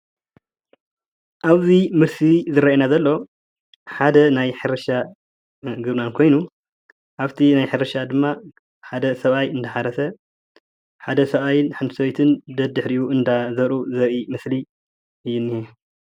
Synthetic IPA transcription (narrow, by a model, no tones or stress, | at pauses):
ʔaβzimɨɾsizɨɾainazɐlːo̞ | ħad̪ɐnajħɨɾɐʃa | ɡɨβnankʰo̞jnu | ʔaβt̪ʰinajħɨɾɐʃad̪ɨmːa | ħad̪ɐsɐβajɨnd̪ɐħaɾɐsɐ | ħad̪ɐsɐβajɪnħɨnsɐβjt̪ʰɨnd̪ɐd̪ɨħɾijuʔɨnd̪azɐɾuzɐɾimɨsli | ʔɨjːunːije